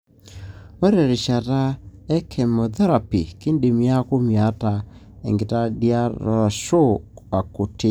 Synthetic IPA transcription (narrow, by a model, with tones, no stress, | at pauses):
wɛ˦ɾɛ˨ɾe˨ʃa˨ta˦ɛ˦kʰɛ˨mo˨da˦ɾa˨pi˨ke˦nde˨mi˨˦a˦ko˦mja˨˦ta˨ | ɛ̰˨ŋɡe˨ta˦di˦a˦ɾɔ̰˨ʃo˦a˨ko˨te˦